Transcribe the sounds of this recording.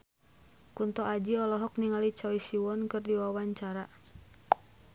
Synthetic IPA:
kunt̪ɔʔad͡ʒiɔlɔɦɔk̚niŋalit͡ʃɔisiwɔnkɨrdiwawaɲt͡ʃaɾa

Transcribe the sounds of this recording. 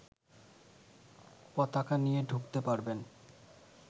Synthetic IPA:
pɔt̪akanijeɖʱukt̪epaɾben

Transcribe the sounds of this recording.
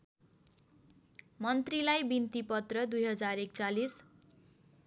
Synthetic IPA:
mʌnt̪rilajbint̪ipʌt̪rʌd̪ujɦʌd͡zarekt͡salis

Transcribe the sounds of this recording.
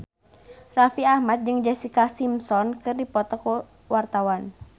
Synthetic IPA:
rafiahmat̪̚d͡ʒɨŋd͡ʒɛsikasimsɔnkɨrdipɔt̪ɔku | wart̪awan

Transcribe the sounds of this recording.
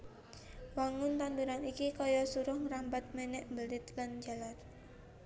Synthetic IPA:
waŋʊnt̪and̪uɾanikikɔjɔsuɾʊhŋɾambat̪̚menɛʔmbəlɪt̪land͡ʒalat̪

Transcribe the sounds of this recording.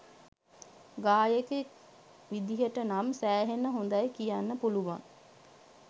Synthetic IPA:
ɡaːjekek | ʋid̪iɦəʈənamsæːɦenəɦond̪ajkijanːəpuluʋa̰ŋ

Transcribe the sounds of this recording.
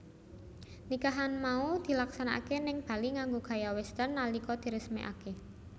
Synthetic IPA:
nikaɦanmaud̪̥i̤laksanaʔa̰kenɪŋb̥a̤liŋaŋɡoɡ̥ä̤jawɛst̪ənːalikɔd̪̥i̤ɾəsmḛʔa̰ke

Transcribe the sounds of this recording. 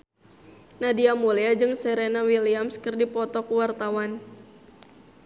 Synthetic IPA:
nadiamuliad͡ʒɨŋsɛɾenawiliamskərdipɔt̪ɔkuwart̪awan

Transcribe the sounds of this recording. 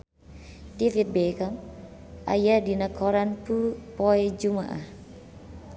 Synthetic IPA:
t̪ifit̪̚bekamʔa̰jadinəkʰɔɾanpupɔɛd͡ʒumaʔa̰h

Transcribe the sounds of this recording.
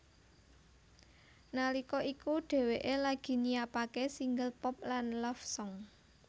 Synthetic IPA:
nalikɔikuɖ̥e̤weʔelaɡ̥i̤nijapakesiŋɡəlpɔp̚lanlɔfsɔŋ

